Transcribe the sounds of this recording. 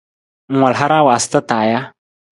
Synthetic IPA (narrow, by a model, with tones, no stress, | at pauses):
ŋ̩˨wa˨lɦa˦ɾa˦wa˨sɪ̥˦t̪ə˦t̪aː˨ja˦